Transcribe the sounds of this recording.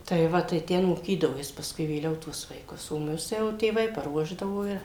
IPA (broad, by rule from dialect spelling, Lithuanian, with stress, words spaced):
tɐɪ ˈʋɐ tɐɪ ˈtʲɛn moːˈkʲiːdɐʋoː ˈjɪs pɐsˈkʊɪ ʋʲeːˈlʲɛʊ tuɔs ʋɐɪˈkʊs oː ˈmʊs jɛʊ tʲeːˈʋɐɪ pɐˈruɔʒdɐʋoː ɪ